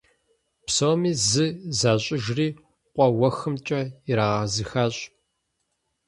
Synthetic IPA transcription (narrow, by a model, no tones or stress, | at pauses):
psowmiːzɨzaːɕʼɪʒriː | qʷɔwɐxɨmt͡ʃʼɐɪɾaːʁɐzɨxaːɕʼ